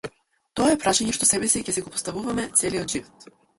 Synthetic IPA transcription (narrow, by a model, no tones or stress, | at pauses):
t̪ɔaɛpɾaʃaɲɛʃt̪ɔsɛbɛsicɛsɛɡɔpɔ̥st̪avuvamɛt̪sɛliɔd̪ʒivɔt̪